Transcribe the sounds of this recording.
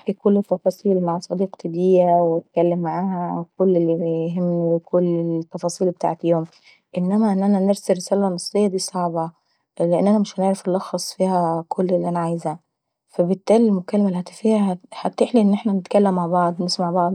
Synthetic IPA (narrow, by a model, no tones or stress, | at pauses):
ħkikolːet̪ːɑfɑːsˤiːlmaʕsˤɑd̪iːqt̪ʰed̪ijæwt̪̚kælːemːaʕaːhækolːelːiɦemːlikʰolːet̪ːɑfɑːsˤiːlbet̪a̰ːʕet̪joːm | ʔenːæmæʔenːʔænæneɾsærːesæːlænɑsˤːejːɑd̪iːsˤɑʕbɑ | leʔenːʔænæmɪʃhæneʕɾæfelːɑxɑsˤfiːhækʰolːelːiʔænæʕajzæ | fæbet̪ːæːlilmokælːæmælhæt̪æfiːhæhæt̪ːeħliʔenːʔeħnænet̪kælːemːaʕbɑʕd̪ˤnesmaʕbɑʕd̪ˤ